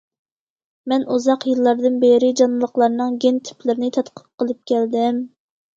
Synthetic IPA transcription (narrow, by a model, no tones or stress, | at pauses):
mɛnuzɑqjɨlˠːɑɾd̪ɨnbeɾɪd͡ʒɑnɨlˠəqlˠɑɾnɨŋɡʲent̪ʰi̥y̥plɪɾɪnɪt̪ʰɑt̪qʰə̥p̚qːəlˠɨp̚kʲʰɛld̪ɪm